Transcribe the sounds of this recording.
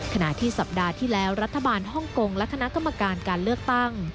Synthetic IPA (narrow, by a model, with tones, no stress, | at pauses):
kʰa˧na˨˩ʔt̪ʰiː˥˩sa˨˩p̚daː˧t̪ʰiː˥˩lɛː˦˥wɾa˦˥t̪ʰːa˧baː˧nɦɔ˥˩ŋko˧ŋlɛ˦˥kʰa˧na˦˥ʔka˧mːa˧kaː˧nkaː˧nlɯ˥˩ək̚t̪a˥˩ŋ